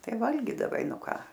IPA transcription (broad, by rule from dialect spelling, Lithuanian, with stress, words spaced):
ˈtɐɪ ˈʋɐlʲɡʲiːdɐʋɐɪ ˈnʊ ˈkɑː